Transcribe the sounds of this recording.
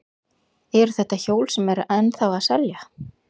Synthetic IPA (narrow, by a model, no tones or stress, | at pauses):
ɛɾθɛht̪ːaçoːwlsɛmɛɾʔɛnːθawaðsɛlja